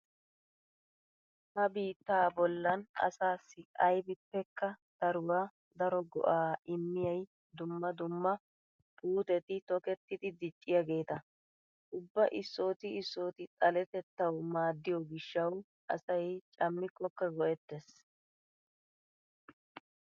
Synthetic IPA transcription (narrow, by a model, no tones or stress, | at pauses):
hɐbiːt̪ːaːbɔlːɐnɐ̰saːsːɪɐjbɪpːɛkːɐd̪̥ɐɾʊwaː | d̪ɐɾɔɡɔ̰ʔaːʔɪmːɪjɐj | d̪ʊmːɐd̪ʊmːɐ | puːt̪ɛt̪ɪt̪ɔkɛt̪ːɪd̪ɪd̪ɪt͡ʃʼːɪjaɡe̞ːt̪ɐ | ʔʊbːɐʔɪsːo̞ːt̪ɪɪsːo̞ːt̪ɪt̪ʼɐlɛt̪ɛt̪ːɐwmaːd̪ːɪjɔɡɪʃːɐw | ʔɐ̰sɐjt͡ʃʼɐmːɪkːɔkːɐɡɔʔɛt̪ːɛs